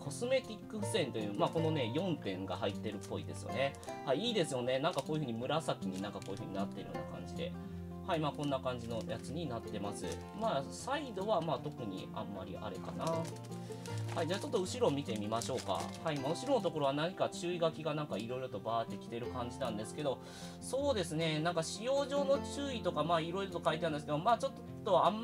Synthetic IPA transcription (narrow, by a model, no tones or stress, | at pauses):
kʰo̞sɨme̞t̪ʲikːɯ̟̥sẽ̞nt̪o̞jɯ̟ːmaːko̞no̞ne̞jõ̞nt̪ẽ̞ŋɡa̰ɦait̪ːe̞ɾɯ̟pːo̞id̪e̞sɨj̰ne̞haiiːd̪e̞sɨjo̞ne̞nãŋkako̞ːiɯ̟ɯ̟ɲimɯ̟ɾasakʲiɲ̟inãŋkakoːjɯ̟ɸɯ̟ɲ̟inat̪ːe̞ɾɯjo̰nakã̰ɲ̟d͡ʑid̪e̞ | haimaːkõ̞nːakãɲ̟d͡ʑino̞jat͡sɨɲ̟inat̪ːe̞masɨ̰ | maːsaid̪o̞βamaːt̪o̞kɯ̟ɲ̟ḭa̰mːa̰ɾʲḭʔa̰ɾeka̰na | haid͡ʑaːt͡ɕo̞t̪ːo̞ɯ̟ɕiɾo̞mʲit̪e̞mʲimaɕo̞ːka̰haimaːɯ̟ɕiɾo̞no̞t̪o̞ko̞ɾo̞βanaɲ̟ikat͡ɕɨːiɡakʲiɡanãŋkaiɾo̞iɾo̞t̪o̞baːt̪ːe̞kʲi̥t̪e̞ɾɯ̟kãɲ̟d͡ʑinãnd̪e̞sɨ̥ke̞d̪o̞ | so̞ːd̪e̞sɨne̞nãŋkaɕijo̞ːʑo̞ːno̞t͡ɕɨːit̪o̞kamaːiɾo̞iɾot̪o̞kait̪eand̪eskemaːt͡ɕo̞t̪ː | o̞amː